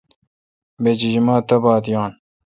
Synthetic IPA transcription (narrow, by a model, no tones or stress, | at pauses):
bed͡ʑid͡ʑimaːt̪ɐbɑːd̪jɑːn